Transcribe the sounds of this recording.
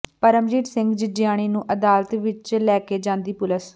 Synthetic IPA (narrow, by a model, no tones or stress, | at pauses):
pəɾəmd͡ʒiːʈsɪ̃ŋɡd͡ʒɪd͡ʒɪjaːɽ̃iːnũːʔəd̪aːlt̪ʋɪt͡ʃlɛːkeːd͡ʒãːnd̪iːpʊləs